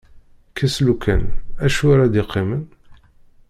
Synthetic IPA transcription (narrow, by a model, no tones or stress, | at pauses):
kʰæslukæ̰næʃuɾad̪ɪqʰːimən